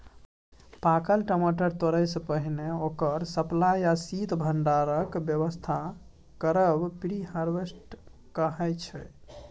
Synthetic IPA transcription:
pakəlʈəmoʈəɾt̪oɾɛjsəpəɦineokəɾsəplajasit̪bʱəɳɖaɾəkbjəβəst̪ʰa | kəɾəbpiɽihaɾʋesʈ | kəɦɛjt͡ʃʰɛ

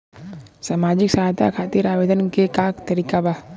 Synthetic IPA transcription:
saːmaːd͡ʒɪksaːɦt̪a̰kʰaːt̪ɪɾaːʋed̪ʱənkekakt̪əɾiːkaba

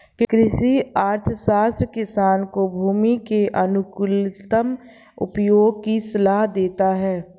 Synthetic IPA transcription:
kkɾɪʃiaːɾt̪ʰəsaːst̪ɾəkɪsaːnkobʱuːmikeʔɐnʊkʊlɪt̪əm | ʊ̰pjoːɡ̚kisɐlaːɦd̪eːt̪aɦɛː

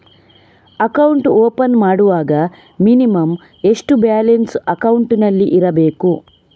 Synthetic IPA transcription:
ɐkɐwuɳʈoːpɐnmaːɽuʋaːɡɐ | minimɐm | e̞ʂʈubjaːlensɐkɐwɳʈinɐlːiʔiɾɐbe̞ːku

